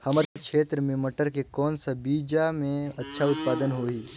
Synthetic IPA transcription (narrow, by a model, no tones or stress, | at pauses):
hɐməɾkʃeːt̪ɾəmẽmɐʈəɾkekɔːnsabiːd͡ʒamẽɐtːʃʰaʊt̪̚paːd̪ənɦoːɦiː